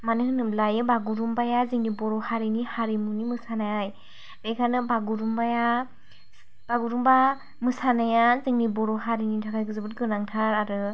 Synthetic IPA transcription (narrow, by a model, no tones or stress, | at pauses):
manɯhɯnɯmlajɯbaɡuɾumbajaziŋnibɔɾɔhaɾinihaɾimunimɯsanajaj | bekʰanɯbaɡuɾumbaja | b̥aɡuɾumba | mɯsanajazɯŋnibɔɾɔhaɾinitʰakʰajɡɯzɯbɯt̚ɡɯnaŋtʰaɾaɾɯ